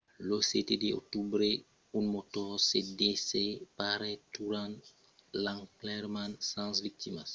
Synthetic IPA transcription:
losetedeo̰k̚tubɾe | unmɔtɔʁsedesepaɾɛtuɾãn | lãŋklɛɾmãnsãsvik̚timas

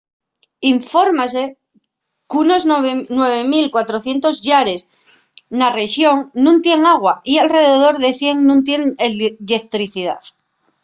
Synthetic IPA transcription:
iɱfo̞ɾmase | kunoznwe̞βemilkwat̪ɾoθje̞nt̪o̞zʎaɾes | nareʃjoŋnũnt̪je̞ŋaɣ̞waialre̞ðeð̞o̞ɾðe̞θje̞ŋnũnt̪̬je̞nelʎekt̪ɾiθiða̰θ

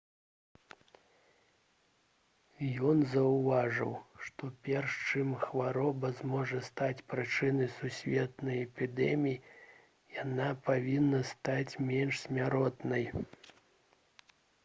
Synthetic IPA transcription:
jɔnzɐwvaʐɨ̰wʂt̪ɔpʲɛrʂt͡ʂɨmxvaɾɔbɐzmɔʐɐst̪at͡sʲpɾɨt͡ʂɨnɐjsusʲvʲɛt̪nɐjɛpʲid̪ɛmʲiji | janapavʲinːɐst̪at͡sʲmʲɛnʂsʲmʲaɾɔt̪nɐj

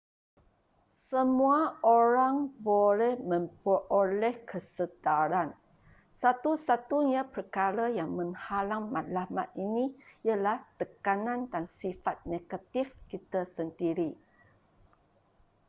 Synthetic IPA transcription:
səmuaoɾaŋbolɛhmə̃mpəʔolɛhkʰəsədaɾan | sat̪usat̪uɲãpərkaɾajaŋmə̃ŋhalaŋmat̪̚lama̰t̪̚inijəlaht̪əkanãndansifat̪̚neɡ̥at̪ifkit̪əsəndiɾi

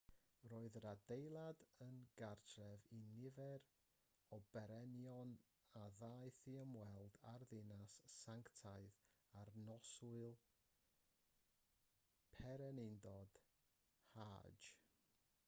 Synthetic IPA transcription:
roːɨðɾadejlˠadənɡartʰrɛvinɪvɛɾ | ɔbɛɾɛnjɔn | aðaɨθiəmwɛlˠdarðɪnasːaŋktʰaɨð | arnɔsʊɨlˠ | pʰɛɾɛnɪndɔd̥ | ha̰̥d͡ʒ

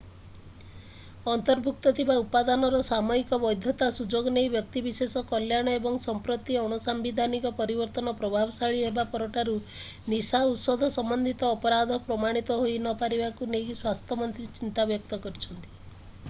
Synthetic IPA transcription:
ɔnt̪ɔɾbʱuk̚t̪ɔt̪ʰibaupad̪anɔɾɔsamɔikɔbɔjd̪ʱjɔt̪asud͡ʒoɡɔnejbjɔk̚t̪ibisesɔkɔljaɽ̃ɔebɔŋsɔmpɾɔt̪iɔɽ̃ɔsambid̪ʱanikɔpɔɾibɔɾt̪ɔnɔpɾɔbʱabɔsaɭiɦebapɔɾɔʈaɾu | nisaut̪sɔd̪ʱɔsɔmbɔnd̪ʱit̪ɔːpɔɾad̪ʱɔpɾɔmaɽ̃it̪ɔɦoinɔpaɾibakunejswast̪ʰjɔmɔnt̪ɾit͡ʃint̪abjɔk̚t̪ɔkɔɾit͡ʃʰɔnt̪i̥

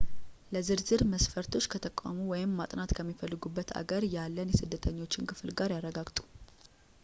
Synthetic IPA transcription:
ləzɨɾzɨɾməsfəɾt̪ʰo̞t͡ʃːkʰət̪ʰəkʼa̰muwɔjɪmːat̪ʼnat̪kʰəmːifəlːɨɡubːət̪ʰa̰ɡəɾjalːənjɛsɨd̪ːət̪ʰəɲːo̞t͡ʃːɪnkʰɨflɡaɾjarːəɡaɡt̪ʼu̥

